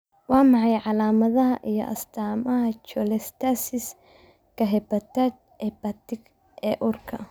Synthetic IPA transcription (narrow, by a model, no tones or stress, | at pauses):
wɑːmɑʕɑjʕɑlaːmɐðɐɦɐʔijɔ̰ʔɐ̰st̪ʰaːmɐɦɐt͡ʃɔlɛst̪ʰasɪs | kʰɐɦɛbɐt̪ad̪̚ | ɛbɐt̪ɪɡ | ʔɛːʔʊrkʰɐ